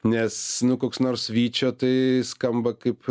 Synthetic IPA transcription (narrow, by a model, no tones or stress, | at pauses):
nʲɛsnʊkoːksnoːrsʋʲiːt͡ʃʲoːt̪ɐɪskɐmbɐkɐɪp